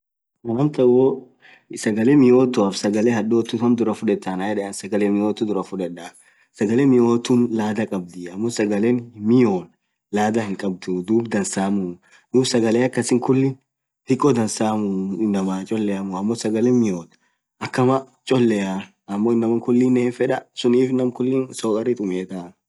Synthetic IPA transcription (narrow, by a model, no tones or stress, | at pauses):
ɐnɐmt̪ɐwo | sɐɡɐleːmɪjoːt̪ːʊɐfsɐɡɐleːhɐɗːoːt̪ːʊɐmd̪ʊɾɐfʊᶑɛt̪ːɐnajɛᶑɛɐnsɐɡɐleːmɪjoːt̪ːʊd̪ʊɾɐfʊᶑɛᶑa | sɐɡɐleːmɪjo̞ːt̪ːunlaːd̪ɐkʼɐb̚d̪ɪɐmːosɐɡɐleːnmɪjoːn | laːd̪ɐhɪŋkʼɐb̚d̪ud̪uːbd̪ɐnsaːmʊ | d̪uːbsɐɡɐleːɐkːɐsɪŋkʊlːɪn | h̪ɪkʼːɔd̪ɐnsaːmʊɪnːɐmaːt͡ʃʼɔlːɛjɐmʊɐmːɔsɐɡɐlemɪjoːt̪ | ʔɐkːɐmɐ | t͡ʃʼɔlːɛja | ɐmːoːɪnːɐmɐŋkʊlːɪnːɛɪnfɛᶑɐsʊniːfnɐmkʊlːɪnsoːkʼɐɾɪt̪ʼʊmeːt̪aː